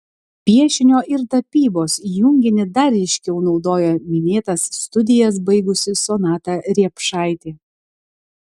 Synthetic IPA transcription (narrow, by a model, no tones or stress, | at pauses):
pʲiɛʃʲɪnʲoːʔɪɾt̪ɐpʲiːboːsjʊŋʲɡʲɪnʲɪd̪ɐɾʲɛɪʃʲkʲɛʊnɒʊd̪oːjɛmʲɪnʲeːt̪ɐsːt̪ʊd̪ʲɪjɛs̬bɐɪɡʊsʲɪsonɑːt̪ɑɾʲiɛpʃɑˑɪt̪ʲeː